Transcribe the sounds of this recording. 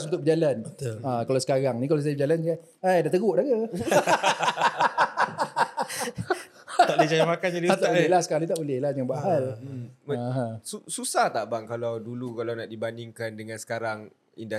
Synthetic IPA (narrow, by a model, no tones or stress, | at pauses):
sunt̪ʊʔbəd͡ʒalanbət̪akalawsə̥kaɾaŋnikalas̬ajəbəd͡ʒaland͡ʒuɡaʔ | ajdat̪əɡʊʔdaɡə | t̪aʔdəd͡ʒajamakand͡ʒadiat̪abəlɛlahsə̥kaalit̪aʔbəlɛhlad͡ʒəaŋbaɦalmɦãsususaht̪aʔbaŋkalawdulukalawnaʔdibandiŋkandəŋãnsə̥kaɾaŋ | ḭnda